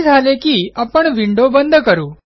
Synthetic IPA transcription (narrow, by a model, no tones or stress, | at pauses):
zʱalekiapəɳʋiɳɖobənd̪ʱkəɾũː